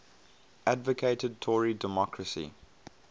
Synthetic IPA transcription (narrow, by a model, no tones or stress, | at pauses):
ʔadvəkʰeɪtəd̚tʰɔɹidəmɔkʰɹəsḭ